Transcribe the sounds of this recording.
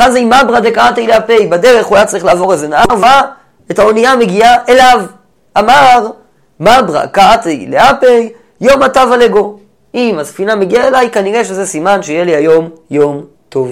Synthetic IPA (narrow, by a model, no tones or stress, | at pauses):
eχadzeimːabʁadekaat̪ijleapejbad̪eʁe̞χuajat͡saʁiχlaːvo̞ʁezenaʔaʁva | etao̞niame̞ɡiaʔe̞lav | amaʁ | mabʁa̰kaat̪ajleapej | jo̞matavaleɡo̞ | imasfinameɡiae̞lajkaniʁeʃezesimanʃejeliajo̞mjo̞m | t̪o̞v